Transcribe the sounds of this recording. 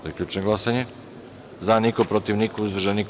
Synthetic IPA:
ojekʎʲuːt͡ʃnoɡlˠasaɲe | zanikopɾot̪iʋnikuuzd̪ʋvr̩ʒanik

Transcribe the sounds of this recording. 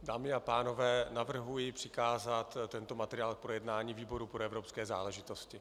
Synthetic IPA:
daːmɪapaːno̞vɛːnavr̩ɦujɪpr̥ɪkaːzat̪t̪ːɛnt̪o̞mat̪ɛɾɪaːlk̚pɾojɛdnaːɲiːviːbo̞ɾupɾoɛvɾopskɛːza̰ːlɛʒɪt̪o̞scɪ

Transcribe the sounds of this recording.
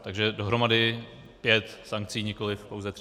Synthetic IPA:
t̪aɡʒɛdo̞ɦɾo̞madɪ | pjɛt̪saŋk̚t͡siːɲɪko̞lɪfpowzɛt̪

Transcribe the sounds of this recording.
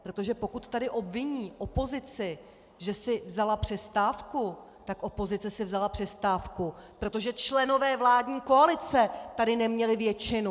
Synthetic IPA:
pɾo̞t̪o̞ʒɛpo̞kut̪ːadɪʔo̞bvɪɲiːʔo̞po̞zɪt͡sɪ | ʒɛsɪvzalapr̝̥ɛst̪aːfku | t̪akʔo̞po̞zɪt͡sɛsɪvzalapr̝̥ɛst̪aːfkupɾo̞t̪o̞ʒɛt͡ʃlɛno̞vɛːvlaːdɲiːko̞alɪt͡sɛt̪adɪnɛmɲɛlɪvjɛt͡ʃɪnu

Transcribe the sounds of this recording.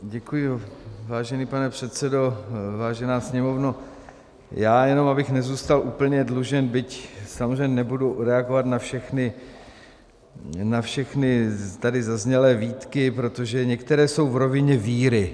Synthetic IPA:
ɟɛkujɪvaːʒɛniːpanɛpr̝̥ɛt̪sɛdo̞vaːʒɛnaːsɲɛmo̞vno | jaːjɛno̞mabɪxnɛzuːst̪alʔuːpl̩ɲɛdluʒɛnbɪcsamozr̝ɛɲɛnɛbuduɾɛaɡovat̪nafʃɛxnɪ | nafʃɛxnɪt̪adɪzazɲɛlɛːviːt̪kɪpɾo̞t̪o̞ʒɛɲɛkt̪ɛɾɛːso̞wvɾo̞vɪɲɛviːɾɪ

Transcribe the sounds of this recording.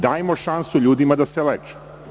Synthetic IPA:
d̪aːjemo̞ʃansuʎuːd̪imad̪aseleːt͡ʃe̥

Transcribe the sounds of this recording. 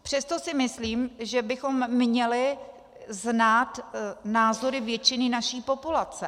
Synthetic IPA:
pr̝̥ɛst̪o̞sɪmɪsliːmʒɛbɪxo̞mːɲɛlɪ | znaːt̪naːzo̞ɾɪvjɛt͡ʃɪnɪnaʃiːpo̞pulat͡sɛ

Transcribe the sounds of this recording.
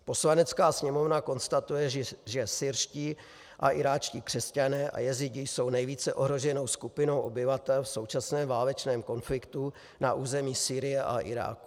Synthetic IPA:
po̞slanɛt͡skaːsɲɛmo̞vnako̞nst̪at̪ujɛʒɛsɪɾʃciː | ʔa̰ʔɪɾaːt͡ʃciːkr̥ɛscanɛːʔa̰jɛzɪɟɪjso̞wnɛjviːt͡sɛʔo̞ɦɾo̞ʒɛno̞wskupɪno̞wʔo̞bɪvat̪ɛlfso̞wt͡ʃasnɛːmvaːlɛt͡ʃnɛːmko̞nflɪkt̪u | naʔuːzɛmiːsiːɾɪjɛʔa̰ʔɪ̰ɾa̰ːku̥

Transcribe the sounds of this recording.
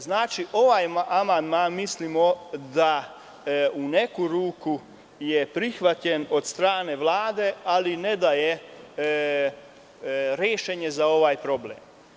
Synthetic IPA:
znaːt͡ʃiʔo̞ʋajamand̪maːnmislimod̪a | une̞kuɾuːku | jepɾixʋat̪ʎeno̞d̪st̪ɾaːne̞ʋlaːd̪e̞alined̪aje | ɾjeːʃeɲezao̞ʋajpɾo̞blḛːm

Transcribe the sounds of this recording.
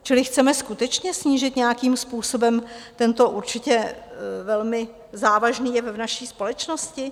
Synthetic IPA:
t͡ʃɪlɪxt͡sɛmɛskut̪ɛt͡ʃɲɛsɲiːʒɪt̪ɲɛjakiːmspuːso̞bɛmt̪ɛnt̪o̞ʔuɾt͡ʃɪcɛvɛlmɪ | zaːvaʒniːjɛvnaʃiːspo̞lɛt͡ʃnoscɪ

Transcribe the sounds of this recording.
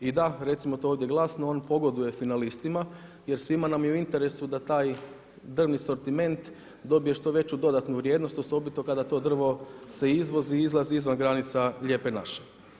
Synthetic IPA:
id̪aɾe̞t̪simot̪ooʋd̪je̞ɡlˠasnooːnpo̞ɡo̞d̪uje̞finalist̪ima | je̞ɾsʋimanamjeuint̪e̞ɾe̞sud̪at̪aːj | d̪r̩ʋniso̞ɾt̪ime̞nt̪ | d̪o̞bije̞ʃt̪o̞ʋe̞t͡ɕud̪o̞d̪at̪nuʋɾʲjeːd̪nost̪oso̞bit̪o̞kad̪at̪o̞d̪r̩ʋo̞seizʋo̞ziizlˠaziizʋanɡɾanit̪saʎʲe̞ːpe̞na̰ʃe̥

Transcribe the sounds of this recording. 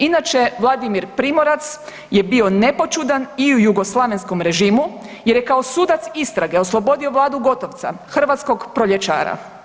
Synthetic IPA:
inat͡ʃe̞ʋlˠad̪imiɾpɾimoɾat̪s | je̞bio̞ne̞po̞t͡ʃud̪aniujuɡo̞slˠaʋe̞nsko̞mɾe̞ʒiːmu | jeɾje̞kao̞suːd̪at̪sist̪ɾaɡe̞o̞slˠo̞bo̞d̪io̞ʋlˠaːd̪uɡo̞t̪o̞ʋt̪sa̰xr̩ʋat̪sko̞ɡpɾo̞ʎet͡ʃa̰ːɾa̰

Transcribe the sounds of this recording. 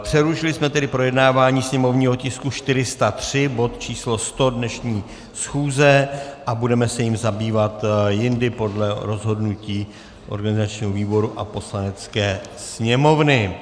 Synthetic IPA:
pr̥ɛluʃɪlɪsmɛt̪ɛdɪpɾo̞jɛdnaːvaːɲiːsɲɛmo̞vɲiːɦo̞cɪskuʃt̪ɪɾɪst̪at̪r̝̥ɪbo̞t̪t͡ʃiːslo̞st̪o̞dnɛʃɲiː | sxuːzɛʔabudɛmɛsɛjɪmzabiːvat̪jɪndɪpo̞dlɛɾo̞zɦo̞dnuciː | ʔo̞̰ɾɡanɪzat͡ʃɲiːɦoviːbo̞ɾuʔa̰po̞slanɛt͡skɛːsɲɛmo̞vnɪ

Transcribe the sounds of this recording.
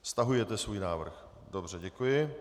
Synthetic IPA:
fst̪aɦujɛt̪ɛsvuːjnaːvr̩x | do̞br̝ɛɟɛkujɪ

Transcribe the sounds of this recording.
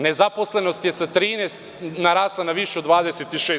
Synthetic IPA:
nezaposleno̞st̪jesat̪ɾiːnest̪naɾaːslˠanaʋiʃeod̪ʋaːd̪eset̪iʃeː

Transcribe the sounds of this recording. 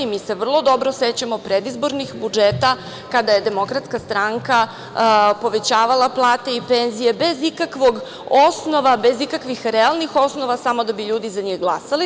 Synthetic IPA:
imise̞ʋr̩lˠo̞d̪o̞bɾo̞set͡ɕamopɾed̪izbo̞ɾnixbud͡ʒeːt̪a | kad̪aje̞d̪e̞mo̞kɾat̪skast̪ɾaŋka | po̞ʋe̞t͡ɕaːʋalˠaplˠaːt̪e̞ipenzije̞be̞zikakʋo̞ɡ | osno̞ʋabe̞zikakʋixɾɛalˠnixo̞sno̞ʋasamod̪abiʎuːd̪izaɲiɣɡlˠasali

